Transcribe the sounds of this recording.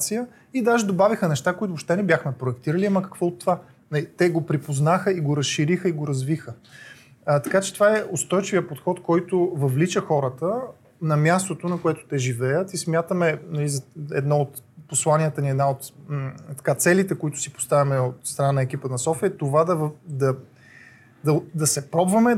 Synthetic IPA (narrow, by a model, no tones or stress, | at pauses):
t̪sijə | id̪aʒɛd̪obavixənɛʃt̪akoit̪opʃt̪ɛnɛbʲjaxmɛpɾoɛkt̪iɾəliaməkɐ̥kvɔot̪ːova | nɐlit̪ɛɡopɾipoznaxəiɡoɾɐsʃiɾixəiɡoɾɐzvixə | t̪ɐkat͡ʃɛt̪ovaɛʔost̪ɔjt͡ʃivijəpot̪xɔt̪kɔjt̪ʊvɐvlit͡ʃəxɔɾət̪ə | nɐmʲjast̪ot̪onɐkoɛt̪o̥t̪ɛʒivɛjət̪ismʲjat̪əmɛnɐlizɛd̪nɔot̪ | poslˠanʲiət̪əniɛd̪naot̪t̪ɐ̥kat̪sɛlit̪ɛkoit̪ʊ̥sipo̥st̪avʲimɛot̪st̪ɾɐnanəɛk̟ipənɐsɔfiɛt̪ovad̪ɐvd̪ɐ | d̪ɐd̪ɐsɛpɾɔbvɐmɛ